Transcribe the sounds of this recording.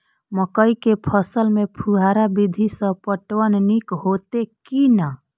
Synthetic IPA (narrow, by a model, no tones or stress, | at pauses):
məkəikepʰəsəlmepʰuɦaɾabid̪ʱisə̃pəʈwənnikɦot̪ekina